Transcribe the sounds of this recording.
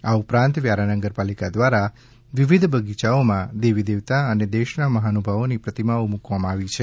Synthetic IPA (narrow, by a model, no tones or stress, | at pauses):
aupɾãnt̪ʋjaɾanəɡəɾpalikad̪ʋaɾa | ʋiʋid̪ʱbʱəɡit͡ʃaomãd̪eʋid̪eʋt̪aəned̪eʃnaməɦanubʱaʋonipɾət̪imaomukʋamãaʋit͡ʃʰe